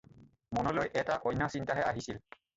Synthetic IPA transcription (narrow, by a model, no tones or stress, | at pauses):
mɔnɔlojʔɛtaʔɔjnːasintaɦɛa̰ɦisil